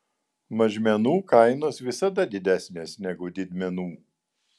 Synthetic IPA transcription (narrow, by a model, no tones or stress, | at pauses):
mɐʒʲmʲɛnuːkɐɪnoːsʋʲɪsɐd̪ɐd̪ʲɪd̪ʲæsʲnʲeːsnʲɛɡʊd̪ʲɪd̪ʲmʲɛnuː